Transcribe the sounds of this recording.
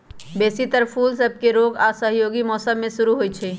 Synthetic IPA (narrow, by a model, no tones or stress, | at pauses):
besit̪əɾpʰuːlsəb̚ʱkeɾoːɡasəɦjoːɡimɔːsəmːẽsuɾuɦojt͡ʃʰɛ